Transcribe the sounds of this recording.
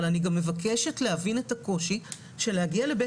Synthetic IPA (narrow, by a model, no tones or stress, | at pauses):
laniɡamːe̞vakʰeʃetlehavinetako̞ʃi | ʃe̞lehaɡiale̞be